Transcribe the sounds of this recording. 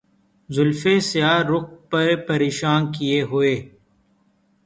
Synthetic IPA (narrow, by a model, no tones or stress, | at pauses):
zʊlfesɪjaːɾʊk̚pɐɾpɐɾeːʃaːnkieɦʊeː